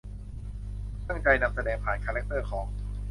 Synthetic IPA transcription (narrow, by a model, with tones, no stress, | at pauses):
t̪a˥˩ŋt͡ɕa˧jna˧msa˧dɛː˨˩ŋpʰaː˨˩nkʰaː˧lɛ˦˥k̚t̪ɤː˥˩kʰɔː˩˦ŋ